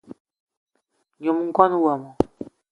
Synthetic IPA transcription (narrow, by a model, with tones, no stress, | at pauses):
ɲɔ˨mu˦ŋ̩˦ka˦nu˦wa˨mɔ̃˨